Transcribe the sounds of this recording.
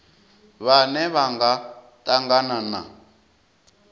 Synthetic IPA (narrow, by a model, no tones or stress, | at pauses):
βanɛβaŋɡa | tʼaŋɡanana̰